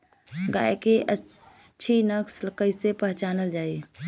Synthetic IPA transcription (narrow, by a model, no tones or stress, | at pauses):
ɡa̰ːjkeʔəːt͡ʃʰinəkslkəɪsepəɦt͡ʃaːnəld͡ʒaːi